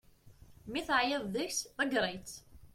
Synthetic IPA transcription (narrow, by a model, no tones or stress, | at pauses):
miθəʕjɪðˤðəçsðəɡɾˤet͡s